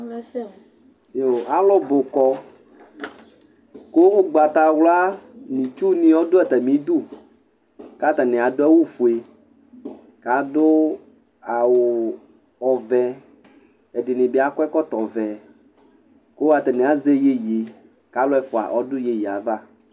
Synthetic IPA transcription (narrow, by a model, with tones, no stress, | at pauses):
jo˨a˦lɔ˦bʊ˨kɔ˦ | ko˦wo˦ɡ͡ba˨t̪a˨wla˦nĩ˨t͡ʃu˦nĩ˦ɔ˦dʊ˦ɛ˨t̪ɛ˨mĩ˨˦d̪u˦ | ka˦t̪a˨nẽ˨a˨dʊ˦ɛ˦wu˦fu˨e˨ | ka˨dʊ˦ | a˨wo˨ | ɔ˨vɛ˨ | ɛ˨dɪ˨nɪ̃˨be˨˦a˨kɛ˦kɔ˦t̪ɔ˨vɛ˨ | ko˦a˨t̪ɛ˨nẽ˨a˨ze˦je˦je˨ | ka˨˦lɔ˦ɛ˦fo˨a̰˨ʔɔ˦dʊ˦je˨ji˨a˨va˦˨